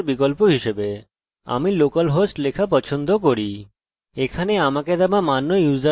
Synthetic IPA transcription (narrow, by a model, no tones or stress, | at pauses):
ɾbikolpoɦiʃebe | a̰milokalɦosʈlekʰapɔt͡ɕʰond̪ʱokoɾi | ekʰaneamaked̪ɛbamanːojuzd̪a